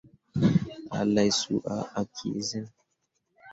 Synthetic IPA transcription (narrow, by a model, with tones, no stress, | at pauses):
a̰˨la˨jsu˦ʔa̰˨ʔa˨kʰḭ˨zɪ˦n